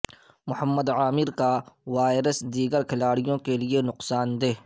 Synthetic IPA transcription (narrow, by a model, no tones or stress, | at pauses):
mʊhəmːəd̪aːmɪɾkaʋaːɪɾəsd̪iːɡəɾkʰɪlaːɽijõkelienʊqsaːnd̪eː